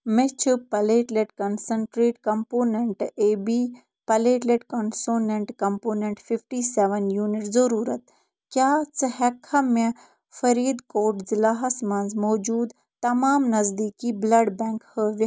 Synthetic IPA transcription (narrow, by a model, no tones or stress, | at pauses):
met͡ʃʰɨpɐleːʈleʈkɐnsəɳʈɾeːʈkɐmpoːneɳʈeːbiː | pɐleːʈleʈkɐnsoːneɳʈkɐmpoːneɳʈfifʈiːseʋɐnjuːnɪʈzɐɾuːɾɐt̪ | kʲjaːt͡sɨhɛkʰɐmẽ | fɐɾiːd̪koːʈzilaːɦɐsmɐ̃nzmoːd͡ʒuːd̪ | t̪ɐmaːmnɐzd̪iːkiːblɐɖbɛ̃ːŋkhəʋ